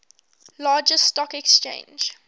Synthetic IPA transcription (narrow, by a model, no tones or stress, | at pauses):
lɑːd͡ʒəstɔkɛkst͡ʃḛ̃ɪ̃nd͡ʒ